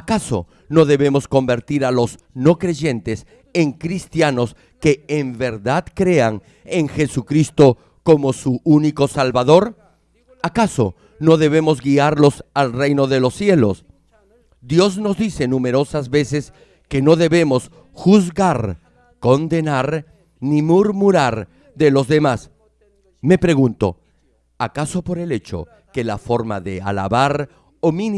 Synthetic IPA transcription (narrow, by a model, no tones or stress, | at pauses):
akaso̞̰ | no̞ðe̞βe̞mo̞sko̞mbe̞ɾt̪iɾalo̞s | no̞kɾe̞ʝe̞nt̪es | eŋkɾist̪jano̞s | keːmbeɾðaðkɾe̞aŋ | eŋxe̞sukɾist̪o̞ | ko̞mo̞suuniko̞salβaðo̞ɾ | akaso̞̰ | no̞ðe̞βe̞mo̞zɡiaɾlo̞salre̞jnoðelo̞sːje̞lo̰s | d̪jo̞zno̞zðise̞nume̞ɾo̞sazβe̞se̞s | ke̞no̞ðe̞βe̞mo̞s | xuzɣaɾ | ko̞nd̪e̞naɾ | nimuɾmuɾaɾ | ðe̞lo̞zðe̞mas | me̞pɾe̞ɣunt̪o̞̰ | akaso̞po̞ɾe̞le̞t͡ʃo̞̰ | ke̞lafo̞ɾma̰ðe̞a̰la̰βaɾ | omin